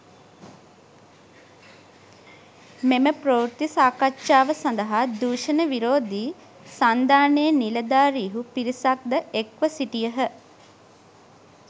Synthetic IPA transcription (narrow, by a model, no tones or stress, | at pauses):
meməprouɾt̪isaːkatːʃaːʋəsand̪əɦad̪uːʃənəʋiɾoːd̪iː | sand̪aːneːniləd̪aːɾiɦupiɾisak̚d̪əekʋəsiʈijəɦə